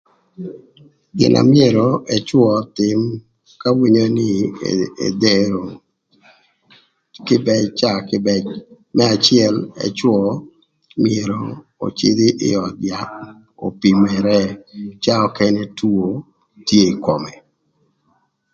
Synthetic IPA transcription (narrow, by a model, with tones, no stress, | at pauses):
ɡɪ̰˨nʔa̰˨mɪe˦˨ɾɔ˨ʔɛ˨t͡ʃwɔ˦t̪ɪ˦m | ka˦wi˦ɲo˦nɪ˦ḛ˨dɛ˦ɾo˨ | kɪ˦bɛ˦t͡ʃa˦kbɛ | mɛ˦a˨t͡ʃɪɛ˦lɛ̰˨t͡ʃwɔ˦ | mɪe˨ɾɔ˨ | o̰˨t͡ʃɪ̰˦d̪ɪ˦ʔɪ̰˦ɔ˨dja˨ | o̰˨pi˨mɛ˨ɾɛ˦t͡ʃa˦ɔ˦kɛ˦nɛ˦tu˦o˦ | tje˦˨kɔ˨mɛ˨